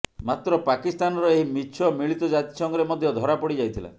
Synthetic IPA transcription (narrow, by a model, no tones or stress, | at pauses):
mat̪ɾɔpakist̪anɔɾɔeɦimit͡ʃʰɔmiɭit̪ɔd͡ʒat̪i̥sɔŋɡɔɾemɔd̪ʱjɔd̪ʱɔɾapɔɽid͡ʒajt̪ʰila̰